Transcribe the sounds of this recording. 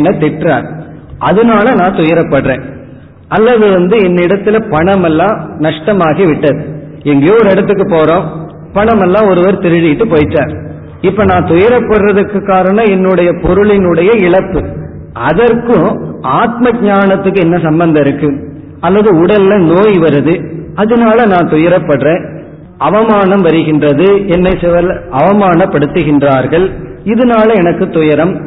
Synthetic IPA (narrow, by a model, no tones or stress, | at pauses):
nːɐt̪ɪʈra̰ːɾ | ʔɐðɯnaːlɐnãːt̪ʊjɐɾɐpːɐɽrḛ̃ː | ɐlːɐðɯʋɐnd̪ɯɛnːɪɽɐt̪ːɪlɐpɐɳɐmɛlːãːnɐʂʈɐmaːɣiʋɪʈːɐðɯ | ɛŋɡeːɔɾɯɛɽɐt̪ːɯk̬ːɯpoːɾõː | pɐɳɐmɛlːãːɔɾɯʋɐɾt̪ɪɾɯðɪjɪʈːɯpoːjɪʈːa̰ːɾ | ɪpːoːnãːt̪ʊjɐɾɐpːɐɽrɐðɯkːɯkːaːɾɐɳɐ̃ɛnːɯɽɐjɐpɔɾɯɭɪnɯɽɐjɐɪɭɐpːɯ | ɐðɐɾkɯ̃aːt̪mɐɡ̚ɲaːnɐt̪ːɯkːɯɛnːɐsɐmbɐnd̪ɐɪɾɯkːɯ | ɐlːɐðɯʊɽɐlɪlɐnoːjʋɐɾɯðɯɐðɯnaːlɐnãːnt̪ʊjɐɾɐpːɐɽrẽ | ɐʋɐmaːnɐmʋɐɾɯɣɪndrɐðɯɛnːɐɪsɪʋɐlɐʋɐmaːnɐpːɐɽɯt̪ːɯɣɪndraːɾɣɐɭɪðɯnaːlɐɛnɐkːɯt̪ʊjɐɾɐm